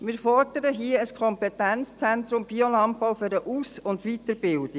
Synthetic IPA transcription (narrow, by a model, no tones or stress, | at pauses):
mɪːɾfɔrd̥əɾəɦiəəskʰɔmpɛtænt͡st͡sɛnt̪ɾʊmb̥iolɑmpːaʊføɾəʔuːsʊndʋit̪əɾbɪld̥i